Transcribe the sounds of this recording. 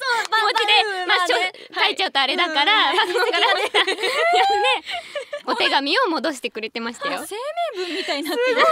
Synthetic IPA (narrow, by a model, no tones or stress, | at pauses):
oimot͡ɕid̪e̞mat͡ɕo | kait͡ɕaɯt̪oaɾe̞d̪akaɾabakɯõŋkaɾaajaneo̞t̪e̞ɡamʲio̞mo̞d̪o̞ɕi̥t̪e̞kɯ̟ɾe̞t̪e̞maɕi̥t̪ajosemẽbɯ̃mmʲːit̪aina